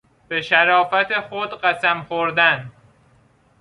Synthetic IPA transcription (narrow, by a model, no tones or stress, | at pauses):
b̥e̞ʃæɾɒːfæt̪ʰexod̪ɢæsæmxoɾd̪æn